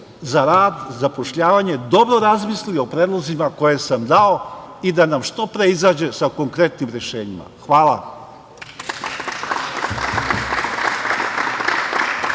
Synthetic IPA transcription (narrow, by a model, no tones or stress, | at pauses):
zaɾaːd̪zapo̞ʃʎaːʋaɲe̞d̪o̞bɾo̞ɾazmislijopɾeːd̪lˠozimako̞je̞samd̪ao̞id̪anamʃt̪o̞pɾe̞izaːd͡ʑe̞sako̞ŋkɾe̞t̪nimɾe̞ʃe̞ːɲima̰xʋaːla̰